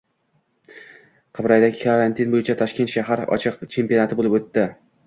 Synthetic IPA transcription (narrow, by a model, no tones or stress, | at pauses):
qʰɨbɾajd̪akʲɪkʰaɾant̪ʰinbojɪt͡ʃʰat̪ʰɒʃkʲet̪ʃaɦaɾɒ̰t͡ʃʰɨqt͡ʃʰe̞mpijonat̪ʰɪbolˠɪpɵt̪ːɪ